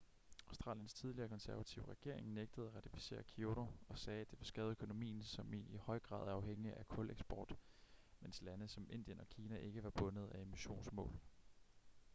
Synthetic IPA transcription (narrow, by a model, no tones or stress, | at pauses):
ɑʊsd̥ʁɑ̰ːljənst͡sʰið̞ˠliɐkʰɒ̽nsæɐʋæt͡sʰiʊʁɛɡ̥e̝ɐ̰e̝ŋneɡ̥̚d̥əð̞̩ˠæʁɑ̈t͡sʰifi̥se̝̰ːɐkʰio̝ɾoɒ̽sɛːæd̥e̝ʋe̝sɡ̥ɛːð̩ˠøkʰo̝no̝mḭːn̩sɒ̽mihɒ̽ɪɡ̥ʁɑ̰̈ːðˠæɑ̈ʊɦeŋ̰iʔækʰɔ̽leɡ̥sb̥ɒ̰ːd̥ | menslænəsɒ̽mʔe̝n̰d̥ijənɒ̽kʰiːnæʔe̝ɡ̥əʋɑ̈b̥ɔ̽nəð̞̩ˠæe̝miɕo̝̰ːnsmɔ̰̽ːl